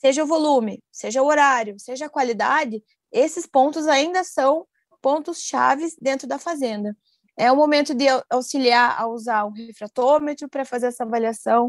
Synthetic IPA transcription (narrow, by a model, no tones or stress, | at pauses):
seʒɐʊvolũmɪ | seʒɐʊoɾaɾjʊseʒɐːkwalid̪a̰d͡ʒɪ | esɪspõnt̪ʊzaĩnd̪ɐsɐ̃w̃ | põnt̪ʊsʃa̰vɪzd̪ẽnt̪ɾʊd̪ɐfazẽnd̪ɐ | ɛũmomẽnt̪ʊd̪ɪawsiliaɾa̰uzaɾũɦefɾat̪omet̪ɾʊpɾɐfazeɾɛsɐvaliasɐ̃w̃